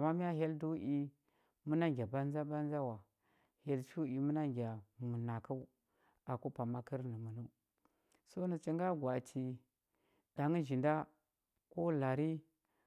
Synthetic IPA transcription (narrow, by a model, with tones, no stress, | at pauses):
a˨ma˦mi˦ja˦ɦe˦ldu˦ʔi˦ | mu˦na˦ŋɡʲa˨ba˦n˦za˦ba˦n˦za˦wa˨ | he˦lt͡ʃu˦i˨mu˦na˦ŋɡʲa˨mu˨na˨ku˦ | a˨ku˦pa˨ma˦ki˦ɾnə˨mu˨nu˦ | so˦ni˨t͡ʃi˦ŋɡa˦ɡʷwa˨tʰi˨ | da˨ŋi˦ʒi˨nda˦ | ko˦la˨ɾi˦